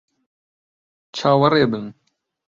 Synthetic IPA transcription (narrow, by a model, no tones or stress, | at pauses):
t͡ʃʰaːwɐɾeːbɨn